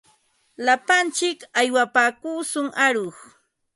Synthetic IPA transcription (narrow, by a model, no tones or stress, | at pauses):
lapant͡ʃɪkajwapaːkuːsʊŋaɾoχ